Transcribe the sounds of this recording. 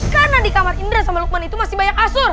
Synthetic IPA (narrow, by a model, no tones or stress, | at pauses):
kanadikamarindɾɛsamaluk̚manit̪umasɪhbajakasʊr